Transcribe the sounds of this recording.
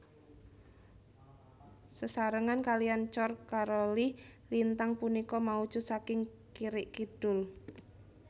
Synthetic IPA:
səsaɾəŋankalijant͡ʃɔrkaɾɔlilint̪aŋpunikɔmau̥ʒ̥ʊ̤sakɪŋ | kiɾɪʔkid̪̥ʊl

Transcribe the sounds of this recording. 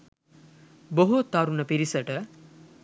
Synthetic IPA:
boɦot̪ːaɾunəpiɾisəʈə

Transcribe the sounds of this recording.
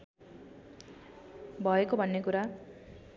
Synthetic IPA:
bʱʌekobʱʌnːekuɾa

